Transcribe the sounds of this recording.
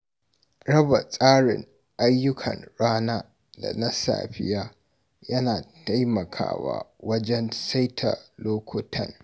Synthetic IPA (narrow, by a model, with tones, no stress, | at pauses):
ɽɐ˦ba˨sʼaː˦ɽɪ˨ŋ | ʔa˦jːʊ˦kʰɐ̰˨nɽaː˦naː˦ | da̰˨na˦sa̰ː˨ɸɪ˦jaː˦ | jɐ˦naː˨ta˦jmɐ˨kʰa̰ː˦wa̰ː˦wɐ˦d͡ʒɛ˦nsa˦jtʰa˨loː˦kʷʰʊ˦tʰɐ̰˦n